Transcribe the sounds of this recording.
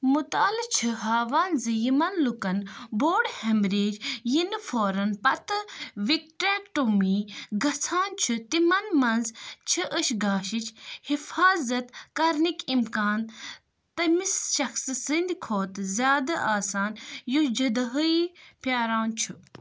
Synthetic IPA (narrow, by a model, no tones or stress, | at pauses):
mut̪aːlit͡ʃʰɨɦaːʋaːnzɨjimɐnlukɐnboːɖhɐmɾeːd͡ʒjinfoːɾɐnpɐt̪ɨʋik̚ʈɾɛːkʈumiːɡɐt͡sʰaːnt͡ʃʰut̪imɐnmɐnzt͡ʃʰɨʔəʃɡaːʃit͡ʃhifaːzɐt̪kɐɾnikimkaːn | t̪ɐmisʃɐxssɨnd̪ikʰoːt̪zʲjaːd̪ɐʔaːsaːnjud͡ʒɐd̪ɐɦəipjaːɾaːnt͡ʃʰu